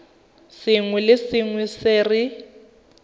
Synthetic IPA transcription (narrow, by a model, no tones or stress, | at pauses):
sɪŋwɛlɪsɪŋwɛsɪːrɪ